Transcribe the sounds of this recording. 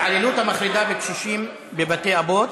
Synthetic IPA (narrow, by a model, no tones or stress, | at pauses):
ʕalelut̪hamaχɾid̪avekʃuʃim | bebat̪eabo̞t̪